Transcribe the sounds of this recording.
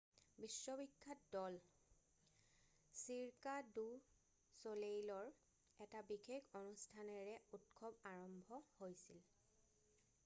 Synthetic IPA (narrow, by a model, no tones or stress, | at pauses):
bisːɔbikʰːatdɔl | siɹkadu | solejlɔɹ | ɛtabikʰekʰonustʰanɛɹɛutkʰɔbaɹɔmbʱɔhojsil